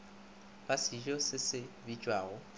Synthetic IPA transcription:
b̥asiʒɔsɪsɪbit͡ʃʼwaːɣʊ

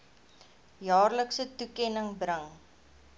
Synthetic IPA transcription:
jɑːrləksətukɛnəŋbrəŋ

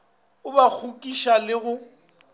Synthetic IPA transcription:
ʊbak͡xʰukʼiʃalɪɣʊ

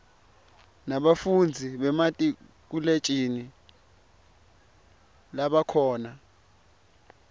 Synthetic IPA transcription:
naɓafund͡zʱiɓɛmatʼi | k̬ulet͡ʃʼini | laɓakʰɔːna

